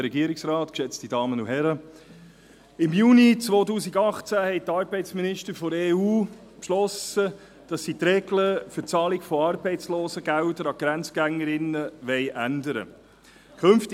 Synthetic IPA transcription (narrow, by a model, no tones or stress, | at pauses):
ɾɛɡiəɾɪksɾɑːtkʃɛt͡stid̥ɑːmənuɦɛɾə | ɪmjuːnit͡sʋoːtuːsiɡɑχt͡sæhɛɪtɑːɾbɛɪtsminɪʃtəɾfɔɾeːuː | pʃlɔsə | d̥ɑsːit̪ɾɛɡləfʏt͡sɑːlɪɡfɔɑːrbɛɪt͡sloːsəɡæʊdəɾɑɡ̥ɾænt͡sɡ̥æŋːəɾɪnəʋɛɪʔændəɾə̰ | kʰɵnft